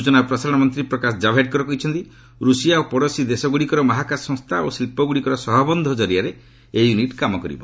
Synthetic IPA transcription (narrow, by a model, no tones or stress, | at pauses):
ut͡ʃɔnapɾɔsaɾɔɽ̃ɔmɔnt̪ɾipɾɔkasd͡ʒabʱeʈ̚kɔɾɔkɔɦit͡ʃʰɔnt̪i | ɾusijaopɔɽɔsid̪esɔɡuɽikɔɾɔmaɦakasɔŋst̪ʰaosilpɔɡuɽikɔɾɔsɔɦɔbɔnd̪ʱɔd͡ʒɔɾijaɾe | ejuniʈkamɔkɔɾḭbɔ